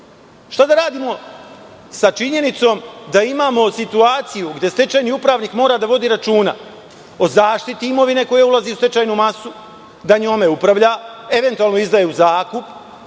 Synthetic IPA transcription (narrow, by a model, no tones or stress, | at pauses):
ʃt̪ad̪aɾaːd̪iːmo̞ | sat͡ʃiɲe̞nit̪so̞ːmd̪aimaːmo̞sit̪uaːt̪sijuɡd̪je̞st̪e̞t͡ʃajniupɾaːʋniːkmo̞ːɾad̪aʋo̞d̪iɾat͡ʃuːna | o̞zaːʃt̪it̪iimo̞ʋine̞ko̞jeulˠazeust̪e̞t͡ʃaːjnumasu | d̪aɲo̞ːme̞upɾaʋʎae̞ʋe̞nt̪uaːlˠnoizd̪ajeuzaːkup